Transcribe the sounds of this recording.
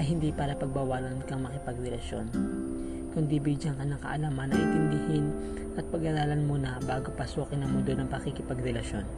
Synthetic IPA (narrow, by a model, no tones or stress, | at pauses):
ɐjɦɪnd̪ipaːɾɐpɐɡ̚bawaːlɐnkɐŋmɐkɪpɐɡɾɛlɐʃjo̞̰n | kʊnd̪ibid͡ʒɐŋkɐɲːaŋkɐ̰ʔɐlaːmɐnːɐʔɪnt̪ɪnd̪ɪhɪn | ʔɐt̪̚pɐɡɐɾaːlɐnmonɐbaːɡo̞pɐsuːkɪnːɐŋmʊnd̪onɐŋpɐkɪkɪpɐɡɾɛlɐʃjo̞n